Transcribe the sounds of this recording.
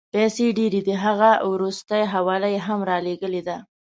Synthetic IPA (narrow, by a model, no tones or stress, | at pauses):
pɛseɖeɾid̪iɦaɣawɾust̪əjɦawɑlajeɦamɾɑleɡəled̪a